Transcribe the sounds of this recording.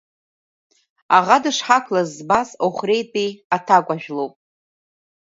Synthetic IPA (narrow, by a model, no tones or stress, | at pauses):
aʁadɨʂħakʰlazbasoχʷrejtʼiatʰakʷʼaʒᶣlowpʼ